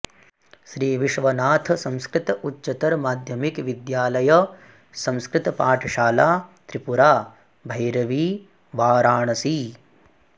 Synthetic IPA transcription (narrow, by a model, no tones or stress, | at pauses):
ʃɾiːʋiʃʋɐnaːt̪ʰɐsɐ̃nskɾit̪ɐutːt͡ʃɐt̪ɐɾmaːd̪ʱjɐmikʋid̪jaːlɐjɐ | sɐ̃nskɾɪt̪ɐpaːʈʰɐʃaːlaːt̪ɾipuɾaː | bʱɐjɾɐʋiː | ʋaːɾaːɳɐsiː